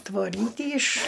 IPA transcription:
tʋoːˈrʲiːtʲiː ɪʃ

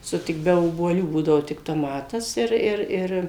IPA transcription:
ˈsʊ ˈtʲɪk bʲɛ oːbuɔˈlʲuː ˈbuːdɐʋoː tʲɪk toːˈmɑːtɐs ɪr ˈɪr ˈɪr

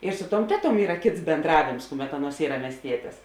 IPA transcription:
ɪr ˈsʊ ˌtuɔm ˈtʲæːˌtuɔm ˈiːrɐ ˈkʲeːts bʲeːnˈdrɑːʋʲeːms ˈkʊˌmʲɛt ˈɑːˌnuɔs ˈiːrɐ mʲiɛsʲˈtʲiɛtʲeːs

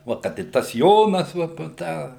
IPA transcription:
ˈʋɐ kɐt ɪ ˈtɐs ˈjoːnɐs ˈʋɐ ˈpoː ˈtɑː

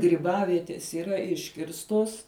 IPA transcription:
ɡrʲiːˈbɑːʋʲiɛtʲeːs iːˈrɐ ˈɪʃʲkʲɪrstoːs

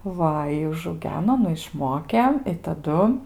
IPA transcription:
ˈʋɐ ɪ ʊʒɐʊˈɡʲæːnoː ˈnʊ ɪʃˈmoːkʲeː ɪ tɐˈdʊ

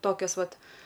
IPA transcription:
ˈtoːkʲoːs ˈʋɐt

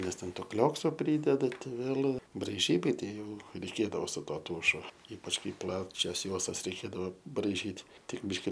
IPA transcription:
nʲɛs ˈtʲɛn ˈtoː ˈklʲoːksoː ˈpʲrʲiːdʲɛdɐ ˈtɐɪ ˈʋʲeːlʲ brɐɪˈʒʲiːbɐɪ ˈtʲɛɪ ˈjɛʊ rʲɛɪˈkʲeːdɐʋoː sʊ ˈtuɔ ˈtuːʃʊ ˈiːpɐt͡ʃ ˈkɐɪ ˈplˠɑːt͡ʃʲɛs ˈjuɔstɐs rʲɛɪˈkʲeːdɐʋoː brɐɪˈʒʲiːt ˈtʲɪk ˈbʲiːʃʲkʲɪ

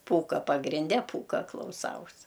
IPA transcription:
ˈpuːkɐ pɐɡrʲɪnʲˈdʲɛ ˈpuːkɐ klˠɐʊˈsɐʊs

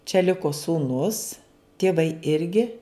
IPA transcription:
t͡ʃʲɛ ˈlʲɪkoː suːˈnʊs tʲiɛˈʋɐɪ ˈɪrʲɡʲɪ

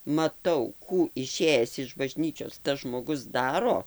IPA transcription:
mɐˈtɐʊ ˈkuː ɪˈʃʲeːjɛs ɪʃ bɐˈʒʲnʲiːt͡ʃʲoːs tɐs ʒmoːˈɡʊs ˈdɑːroː

